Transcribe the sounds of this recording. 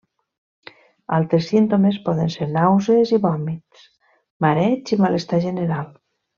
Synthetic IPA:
a̰lˠt̪ɾesint̪omespɔðenseɾnawzeziβɔmit̪s | maɾɛt͡ʃimalest̪aʒeneɾal

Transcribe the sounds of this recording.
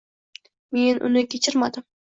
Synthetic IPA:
menʔʊ̰nɪkʲʰet͡ʃʰɪɾmad̪ɪm

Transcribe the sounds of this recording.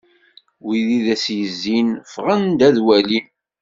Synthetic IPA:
wiðiðæsjəzːinfʁənd̪æðwæli

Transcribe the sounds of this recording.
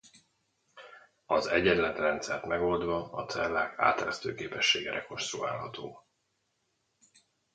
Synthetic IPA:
ɒzɛɟɛnlːɛt̪rɛnt̪sɛrt̪mɛɡo̞ld̪ʋɒɒt̪sɛlːaːka̰ːt̪ɛɾɛst̪øːkeːpɛʃːeːɡɛɾɛko̞ʃsoɡaːlɦɒt̪ʰoː

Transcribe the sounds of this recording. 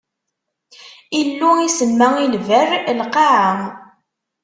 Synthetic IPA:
ilːuisəmːæilværlqɑʕa

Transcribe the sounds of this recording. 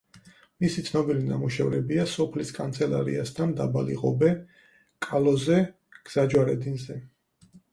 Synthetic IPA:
misit̪sʰnɔbilina̰muʃɛvɾɛbiasɔpʰliskʼant̪sʰɛla̰ɾḭasd̪ʰand̪abalḭʁɔbɛ | kʼalɔzɛ | ɡ̥z̥ad͡ʒwaɾɛd̪inzɛ

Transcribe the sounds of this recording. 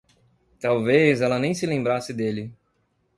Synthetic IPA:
t̪awvezɛlɐnẽj̃sɪlẽmbɾasɪd̪elɪ

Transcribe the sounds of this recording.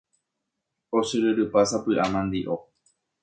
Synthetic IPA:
osɨɾɨɾɨpasapɨʔamãnd̪iʔo

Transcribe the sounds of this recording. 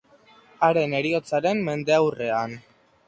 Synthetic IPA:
aɾe̞ne̞ɾio̞t͡saɾe̞mːe̞nd̪e̞awre̞an

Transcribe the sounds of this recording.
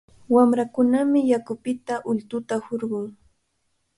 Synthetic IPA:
wamɾakʊnamɪjakʊpɪt̪aʔʊlt̪ʊt̪ahoɾɢʊŋ

